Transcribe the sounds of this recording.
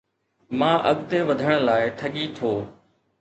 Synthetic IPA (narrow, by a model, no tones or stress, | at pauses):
mãːʔɐɠt̪eːʋəd̪ʱəɽ̃laːɪʈʰəɠiːt̪ʰoː